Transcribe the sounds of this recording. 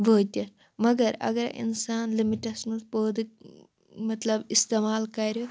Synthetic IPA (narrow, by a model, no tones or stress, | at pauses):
ʋʱəːt̪jɐt̪ | mɐɡɐɾɐ̰ɡɐɾɐ̰ʔḭnsaːnlimiʈɐsmud̪poːd̪k̚ | mɐt̪lɐbist̪eːmaːlkaɾjo